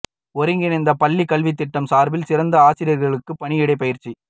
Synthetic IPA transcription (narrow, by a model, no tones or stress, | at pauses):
ɔɾɪŋɡɪnɐnd̪ɐpɐlːikːɐlʋit̪ːɪʈːɐmsaːɾbɪlsɪɾɐnd̪ɐaːsɪɾjɐɾɣɐɭɯkːɯpːɐɳɪjɪɽɐɪpɐjɪɾt͡ʃi